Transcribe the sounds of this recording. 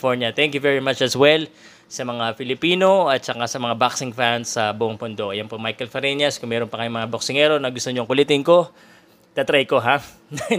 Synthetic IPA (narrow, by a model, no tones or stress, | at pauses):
foɹnɐt̪ɛŋkjʊvɛɹimat͡ʃɐswɛl | sɐmɐŋafɪlɪpiːno̞ɐt̪̚t͡ʃɐkasɐmɐŋabaksɪŋfansːɐbuʔoŋpʊnd̪o̞ʔɐjɐnpomajkɛlfɐɾɛnɐskʊŋmɛɾonpɐkɐjomɐŋaboksɪŋɛɾo̞nɐɡʊst̪oɲoŋkʊlɛt̪ɪnko̞ | t̪at̪ɾajko̞ɦa